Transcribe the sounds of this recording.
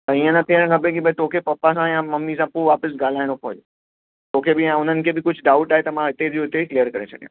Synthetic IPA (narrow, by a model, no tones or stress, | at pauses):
t̪ɐĩːə̃nɐt̪ʰijəɽ̃kʰãbekibʱɐit̪oːkʰepɐpːasãjãmɐmnis̬ãpoʋaːpəs̬ɡaːl̤aːɪɽ̃opoɦd͡ʒo | t̪oːkʰebɪjãʊn̤ənɪ̆kʰebɪkʊd͡ʑʱʊɖaːʊʈaːɦet̪ɐmãɦɪt̪ed͡ʑoɪt̪eklijəɾkɐɾet͡ɕʰɐɗijã̰